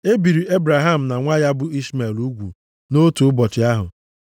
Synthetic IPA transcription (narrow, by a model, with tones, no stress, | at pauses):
e˦bi˨ɾi˨e˦bɾa˨ɦa˦˨m̩˨na˨ŋʷa˦ja˦bʊ˦i˦sma˨lu˦ɡʷṵ˨ | no˦tu˨ʊ˦bɔ˨t͡ʃɪ˨a˦ɦʊ̰˨